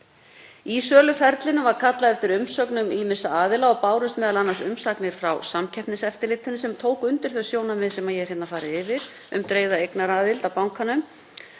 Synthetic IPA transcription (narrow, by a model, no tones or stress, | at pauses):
iːsœːlʏfɛɾt̪lɪnʏvaɾ̥kʰat̪laðɛft̪ɪɾʏmsœknʏmiːmɪsaaːðɪlaɔpaːwɾʏst̪mɛːðalanːasʏmsaknɪɾ̥fɾawsamcʰɛpnɪsɛft̪ɪlɪt̪ʰhʏnːʏsɛmt̪ʰoːwkʏnt̪ɪɾ̥θœsjoːwnamɪðsɛmajɛɾ̥hɛt̪nafaːɾɪɪvɪɾ̥ | ʏ̰mt̪ɾeːjðaejknaɾaːðɪlt̪awpawŋkʰanʏm